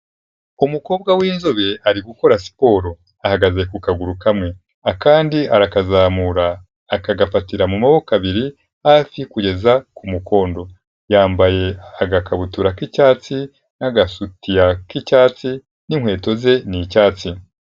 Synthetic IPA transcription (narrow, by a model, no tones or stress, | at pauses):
umuko̞ːbɡawiːnzoβe̞aɾiɡuko̞ɾasi̥po̞ːɾo̞ | ahaɡaze̞kukaɡuɾukamŋe̞ | akaːndiaɾakazaːmuɾaː | kaɡafatiɾamumaβo̞kaβiɾi | hafikuɟe̞zakumuko̞ːndo̞ | jaːmbaje̞aɡakʰaβutuɾakicaːt͡si | naɡasutijakicaːt͡si | niŋhwe̞ːto̞ze̞nicaːt͡si